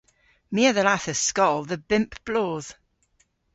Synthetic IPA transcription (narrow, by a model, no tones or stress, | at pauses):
miəðəlaθəskɔlˠðəbɪ̃mpb̥loːð̥